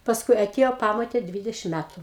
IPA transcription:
pɐsˈkʊɪ ɐˈtʲiɛjoː ˈpɑːmoːtʲeː ˈdʲʋʲiːdʲɛʃʲɪm ˈmʲætʊ

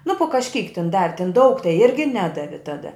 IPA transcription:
nʊ pʊ kɐʃʲˈkʲiːk tʲɪn ˈdɑːʋʲɪ tʲɪn dɐʊk tɐɪ ˈɪrʲɡʲɪ ˈnʲæːdɐʋʲɪ ˈtɑːdɐ

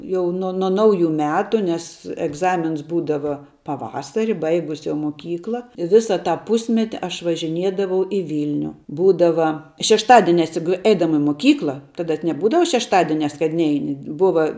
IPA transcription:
ˈjɛʊ nuɔ nɐ ˈnɐʊˌjʊ ˈmʲæːtʊ nʲɛs ɛɡˈzɑːmʲɪns ˈbuːdɐʋɐ pɐˈʋɑːsɐrʲɪ ˈbɐɪɡʊs jɛʊ moːˈkʲiːklˠɐ ɪ ˈʋʲɪsɐ tɑː ˈpʊsʲmʲɛtʲɪ ˈɐʃ ʋɐʒʲɪˈnʲiɛdɐʋɐʊ ɪ ˈʋʲiːlʲnʲʊ ˈbuːdɐʋɐ ʃʲɛʃˈtɑːdʲiɛnʲɛs jʊk ˈɛɪdɐmɐ ɪ moːˈkʲiːklˠɐ ˈtɑːdɐ nʲɛˈbuːdɐʋɐ ʃʲɛʃˈtɑːdʲiɛnʲɛs kɐt ˈnʲɛɪnʲɪ ˈbʊʋɐ

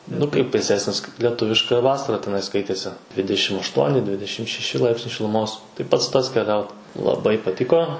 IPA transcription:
nʊ ˈkɐɪp ʋʲeːˈsʲæːsʲnʲɪs kɐɪp lʲiɛˈtʊʋʲɪʃkɐ ˈʋɑːsɐrɐ tʲɛˈnɐɪ ˈskɐɪtʲeːsʲɪ ˈdʲʋʲɪdʲɛʃʲɪm ɐʃˈtuɔnʲɪ ˈdʲʋʲɪdʲɛʃʲɪm ʃʲɛˈʃʲɪ ˈlˠɐɪpʲsʲnʲɛɪ ʃʲɪlˠʊˈmoːs tɐɪ ˈpɐts ˈtɐs kʲɛˈlʲɛʊt lˠɐˈbɐɪ pɐˈtʲɪkoː

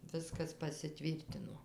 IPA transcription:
ˈʋʲɪskɐs pɐsʲɪˈtʲʋʲiːrʲtʲɪnoː

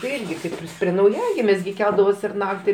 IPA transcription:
tɐɪ ˈɪrʲɡʲɪ ˈkɐɪp ɪr pʲrʲiɛ nɐʊˈjæːɡʲɪmʲeːs ɡʲɪ ˈkʲɛlˠdɐʋoːsʲɪ ɪr ˈnɑːktʲɪ

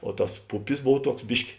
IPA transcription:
oː ˈtɐs ˈpʊpʲɪs ˈboːw ˈtuɔks ˈbʲɪʃʲkʲɪ

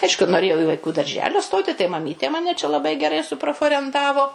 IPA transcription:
ˈɐɪʃkʊ noːˈrʲeːjɛʊ ɪ ʋɐɪˈkuː dɐrʲˈʒʲæːlʲoː ˈstoːtʲɪ tɐɪ mɐˈmʲiːtʲeː ˈmɑːnʲɛ t͡ʃʲɛ lˠɐˈbɐɪ ɡʲɛˈrɐɪ sʊproːfoːrʲɛnˈtɑːʋoː

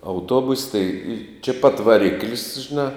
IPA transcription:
ɐʊˈtoːbʊsʲ tɐɪ t͡ʃʲɛ pɐt ʋɐˈrʲɪklʲsʲ ʒʲɪˈnɑː

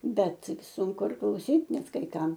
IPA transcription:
ˈbʲɛt sʊŋˈkʊ ɪr klˠɐʊˈsʲiːt ˈnʲɛt kɐɪ ˈkɐm

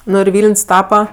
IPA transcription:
ˈnʊ ɪr ˈʋʲiːlʲnʲsʲ ˈtɑːpɐ

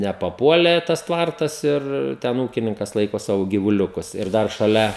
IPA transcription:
nʲɛpɐˈpuɔlʲeː tɐs ˈtʋɐrtɐs ɪr ˈtʲɛn ˈuːkʲɪnʲɪŋkɐs ˈlˠɐɪkoː ˈsɑːʋoː ɡʲiːʋʊˈlʲʊkʊs ɪr ˈdɐr ʃɐˈlʲɛ

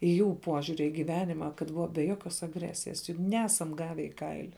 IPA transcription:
ɪ ˈjuː ˈpuɔʒʲʊrʲɪ iː ɡʲɪˈʋʲæːnʲɪmɐ kɐt ˈbʊʋɐ bʲɛ ˈjoːkʲoːs ɐɡˈrʲæːsʲɪjɛs jʊk ˈnʲæːsɐm ˈɡɑːʋʲɛ ɪ ˈkɐɪlʲɪ

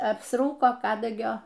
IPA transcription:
ɐpsˈruːkoː ˈkɑːdɐɡʲoː

